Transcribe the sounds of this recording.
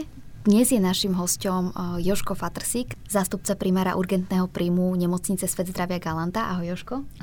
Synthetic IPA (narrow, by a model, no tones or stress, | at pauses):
d̪ɲɛzjɛnaʃimɦɔscɔmjɔʃkɔfat̪r̩sikzaːst̪up̚t͡sapɾimaːɾa̰ʔuɾɡɛnt̪nɛːɦɔpɾiːmuɲɛmɔt͡sɲit͡sɛsʋɛd̪zd̪ɾaʋɪaɡalant̪aʔaɦɔjɔʃkɔ